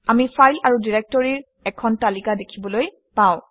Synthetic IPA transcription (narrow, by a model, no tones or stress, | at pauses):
amifʰajlaɹudiɹɛk̚tɔɹiɹ | ɛkʰɔntalikadekʰibɔloj | pãw̃